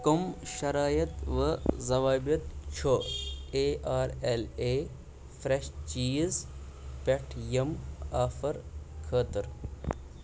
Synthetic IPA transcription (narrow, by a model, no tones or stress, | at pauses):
komʃɐɾaːjɐt̪ʋəzɐʋaːbjɐt̪t͡ʃʰoeːaːɾeleː | fɾeʃt͡ʃiːz | peʈʰjɐmaːfɐɾkʰəːt̪ɨɾ